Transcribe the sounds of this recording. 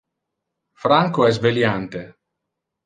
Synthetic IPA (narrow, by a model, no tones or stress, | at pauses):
fɾaŋkoɛsveljant̪e